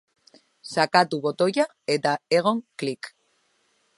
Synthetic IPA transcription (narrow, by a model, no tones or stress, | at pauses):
sakat̪uβo̞t̪o̞ja | et̪aeɣ̞o̞ŋklik